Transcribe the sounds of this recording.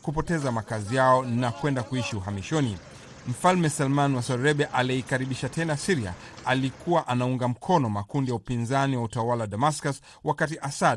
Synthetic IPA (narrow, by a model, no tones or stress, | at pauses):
kupɔtɛzamakazijaɔnakwɛndakuiʃiuɦamiʃɔni | m̩falmɛsalmanwasɔɾɛɓɛʔaliikaɾiɓiʃatʰɛnasiɾia̰ | alikuwaʔanauŋɡam̩kʰɔnɔmakundijaupinzaniwautawalawaɗamaskas | wakatiʔasad